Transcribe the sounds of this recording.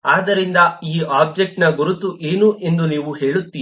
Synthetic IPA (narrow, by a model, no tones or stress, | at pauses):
aːd̪ɐɾind̪ɐiːaːb̚d͡ʒek̚ʈnɐɡoɾut̪ːuʔe̞ːnuʔe̞nd̪uniːʋuhe̞ːɭut̪ːiː